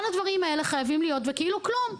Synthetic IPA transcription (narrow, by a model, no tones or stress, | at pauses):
lad̪vaʁimae̞le̞χajavimlijo̞t̪vekiiluklum